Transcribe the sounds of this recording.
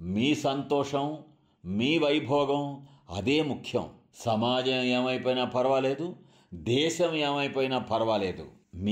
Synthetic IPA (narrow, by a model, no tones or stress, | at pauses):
miːsɐnt̪ɔːʂɐm | miːʋɐjbʱɔːɡɐm | ɐ̰d̪eːmukʰjɐ̰m | sɐmaːd͡ʒɐmeːmɐjpoːjnɐpʰɐɾɐʋɐleːd̪u | d̪ɛːʃɐmeːmɐjpoːjnɐpʰɐɾɐʋɐleːd̪ṵmi